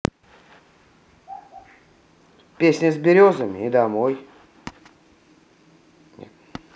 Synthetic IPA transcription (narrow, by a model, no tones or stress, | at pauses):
pʲesʲnʲɪzʲbʲɪɾʲozəmʲɪ̰ɪd̪amoj | nʲɛ̰t̪